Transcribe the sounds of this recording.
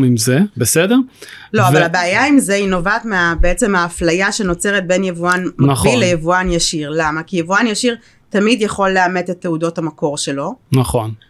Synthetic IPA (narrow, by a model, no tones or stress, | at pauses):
mimzebesedeʁlo̞avalabeajaimzeino̞vaːtmeabeet͡se̞maːflajaʃe̞no̞t͡se̞ʁet̚be̞njevuanmaillejevuanjaʃiʁlamakijevuanjaʃiʁ | tamidjaχo̞lːeame̞tetːeudo̞thamako̞ʁʃe̞lo̞naχo̞n